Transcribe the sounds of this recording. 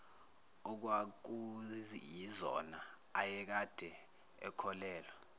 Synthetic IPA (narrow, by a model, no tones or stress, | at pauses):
ɔk̬wak̬ujizɔ̰na | ajɛk̬ad̥ʱɛ | ɛ̰kʰɔlɛːlɔ